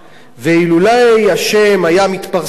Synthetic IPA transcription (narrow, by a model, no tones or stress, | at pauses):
veilulajhaʃe̞mhajamit̪paʁ